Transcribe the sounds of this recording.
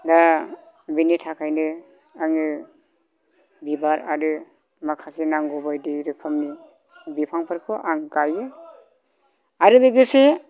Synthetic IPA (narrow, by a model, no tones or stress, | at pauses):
da | binitʰakʰajnɯ | aŋɯ | bibaɾa̰ɾɯ | makʰasenaŋɡɔbajdiɾɯkʰɯmni | bipʰaŋpʰaɾkʰɯʔaŋkajɯ | aɾɯdɯɡɯse